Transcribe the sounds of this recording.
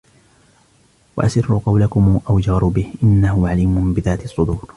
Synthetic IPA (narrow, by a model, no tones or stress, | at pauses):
wa̰ʔasɪrːʊqɑwlakʊmːʔawd͡ʒɑɾˤʊbɪhʔɪnːahʊʕaliːmʊnbɪðaːt̪ɑsˤːʊd̪uːɾ